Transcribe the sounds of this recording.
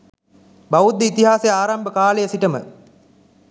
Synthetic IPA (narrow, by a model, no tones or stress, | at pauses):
baʋud̪ːeit̪iɦaːsejaːɾambəkaːlejəsiʈəmə̰